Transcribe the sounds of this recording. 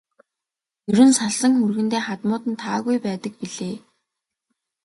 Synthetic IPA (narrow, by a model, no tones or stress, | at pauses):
jɵɾɵ̆nsaɮsə̆ŋxurɣɘ̆nt̪eːχat̪mʊːt̪ɘ̆nt̪ʰaːɣujpæːt̪ə̆k̚piɮeː